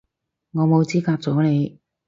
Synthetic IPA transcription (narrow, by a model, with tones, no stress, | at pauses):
ŋɔː˨˧mo˨˧wt͡siː˥kaː˧t͡sɔː˨˥ne˨˧j